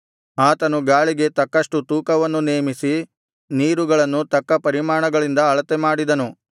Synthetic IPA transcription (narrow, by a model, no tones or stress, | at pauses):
aːt̪ɐnuɡaːɭiɡe̞t̪ɐkːɐʂʈut̪uːkɐʋɐnːuneːmisi | niːɾuɡɐɭɐnːut̪ɐkːɐpɐɾimaːɳɐɡɐɭind̪ɐːɭɐt̪emaːɽid̪ɐnu